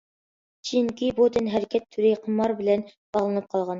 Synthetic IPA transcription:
ɕiŋkibut̪ɘnɦæɾkæt̪ʰːʉɾɘjqɤ̆mɑɾbɘ̆læn | ɑlˠɤ̆nɤp̚qɑlˠʁɑn

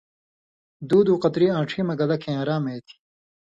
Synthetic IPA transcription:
d̪uːd̪uːqɐt̪ɾiːãːʈ͡ʂʰiːmɐɡɐlɐkʰẽːaːɾaːmeːt̪ʰi̥

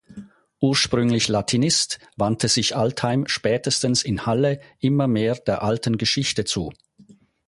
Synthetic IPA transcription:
ʔuːɐʃpʁ̥ʏŋlɪçlatʰinɪstvantʰəzɪçʔalthaɪmʃpɛːtəstənsɪnhaləʔɪmɐmeːɐd̥eːɐʔaltənɡəʃɪçtət͡sṵː

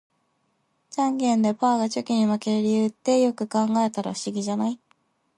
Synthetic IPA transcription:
t͡ɕãŋɡẽ̞nd̪e̞paːɡat͡ɕokʲiɲ̟imakeɾeɾʲiɯ̟t̪ːe̞jo̞kɯ̟kãŋɡae̞t̪aɾa̰ɸɯ̟̥ɕiɡʲiʑanai

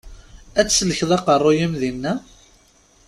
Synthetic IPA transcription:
æt͡sːsləçðˤɑqərˤːojimðinːæ

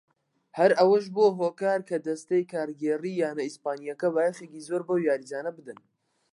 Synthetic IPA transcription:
hɐɾʔɐwɐʃ̬boːɦoːkaːɾkʰɐd̪ɐst̪ejkaːɾɡeːriːjaːnɐispaːnijɐkɐβaːjɐχeːkizoːɾbowjaːɾid͡ʒaːnɐbɨd̪ɨn

